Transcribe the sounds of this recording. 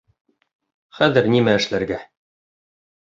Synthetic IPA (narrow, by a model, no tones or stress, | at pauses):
χæðɘ̆ɾnimæɘ̆ʃlæɾɡæ